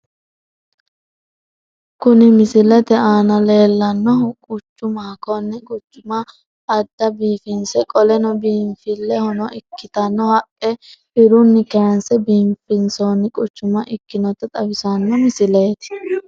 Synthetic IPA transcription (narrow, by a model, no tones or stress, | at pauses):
kʊnɪmɪsɪlɛt̪ɛaːnɐle̞ːlːɐnːɔʊkʼʊt͡ʃːʊmakɔnːɪkʼʊt͡ʃːʊmɐː | d̪ːɐbiːfɪnsɛkʼɔlɛnɔbiːmfɪlːɛhɔnɔɪkːɪt̪ɐnːɔhɐkʼːɛ | ɪɾʊnːɪkɛɾɐnsɛbiːmfɪnsonːɪkʼʊt͡ʃːʊmɐʔɪkːɪnɔt̪ɛt̪ʼɐbɪsɐnːɔmɪsɪleːt̪ɪ̥